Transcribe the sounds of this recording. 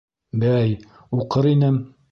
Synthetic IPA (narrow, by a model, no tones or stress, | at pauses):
bæj | uqɤɾinɘm